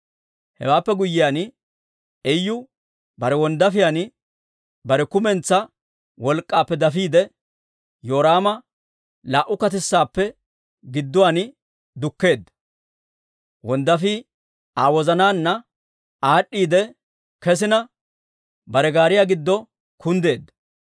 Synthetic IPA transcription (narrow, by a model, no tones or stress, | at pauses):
hɛ̰waːpːɛɡʊjːɪjan | ɛjːʊ | bɐɾɛwɔnd̪ɐfɪjaːn | bɐɾɛkʊmɛnt͡sːɐ | wɔlkʼːaːpːɛd̪ɐfiːd̪ɛ | jo̞ːɾaːmɐ | laːʔʊkɐt̪̬ɪsːaːpːɛ | ɡɪd̪ːʊwanɪ | d̪ʊkːe̞ːd̪ːɐ̥ | wɔnd̪ɐfi | aːwɔzɐnaːnːɐ | aːɗːiːd̪ɛ | kɛs̬ɪnɐ | bɐɾɛɡaːɾɪjaɡɪd̪ːɔ | kʰʊnd̪e̞ːd̪ːɐ